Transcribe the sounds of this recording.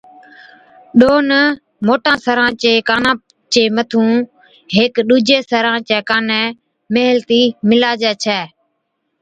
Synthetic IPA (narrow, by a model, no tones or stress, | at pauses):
ɗoːnə | moːʈãːsəɾãːt͡ʃeːkaːnãː | t͡ʃeːmət̪ʰũː | ɦeːkɗuːd͡ʒeːsəɾãːt͡ʃɛːkaːnɛː | meɦəlt̪iːmɪlaːd͡ʒɛːt͡ʃʰɛː